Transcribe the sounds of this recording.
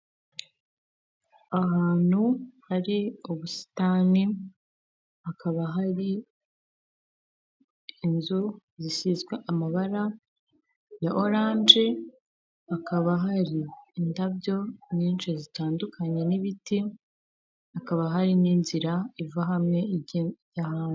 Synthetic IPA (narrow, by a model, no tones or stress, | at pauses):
aɦaːn̥huhaɾioβusi̥taːni | akʰaβaɦaɾi | nzu | zisizɡweʔamaβaɾa | jaʔo̞ɾaːnd͡ʒe | akaβaɦaɾiːndabɟo̞ɲiːnʃezitaːndukʰaɲe̞niβiti | akaβaɦaɾiniːnziɾaivaɦamŋe̞jahaːnu